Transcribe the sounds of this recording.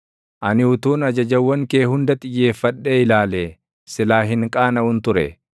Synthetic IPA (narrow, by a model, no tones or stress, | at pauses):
ʔɐnɪʊt̪uːnɐd͡ʒɐd͡ʒɐwːɐŋke̞ːɦʊnd̪ɐt̪ʼɪjːe̞ːfːɐɗːe̞ːɪlaːleː | sɪlaːɦɪŋkʼaːnɐhʊnt̪ʊɾɛ